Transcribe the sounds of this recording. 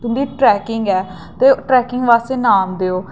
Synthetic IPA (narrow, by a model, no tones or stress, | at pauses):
t̪ʊmd̪iːʈɾɛːkɪŋɡɛː | t̪eːʈɾɛːkɪŋɡʋaːst̪eːnaːmd̪eːoː